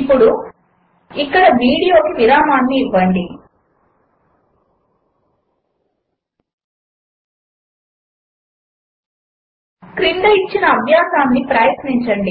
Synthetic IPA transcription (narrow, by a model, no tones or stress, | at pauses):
pːuɽu | ikːɐɽɐʋiːɽijo̞ːkiʋiɾaːmaːnːiːʋːɐɳɖi | kɾind̪ɐit͡ʃːinɐːbʱjaːsaːnːipɾaːjɐt̪niɲt͡ʃɐɳɖi